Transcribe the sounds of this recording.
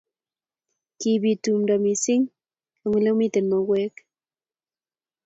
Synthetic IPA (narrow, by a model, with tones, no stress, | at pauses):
ki˨βi˨tu˨mdɔ˨mi˨sɪ˦ŋ | a˨ŋwi˨la˦mi˦t̪e˨nma˨ɣwɛ˦k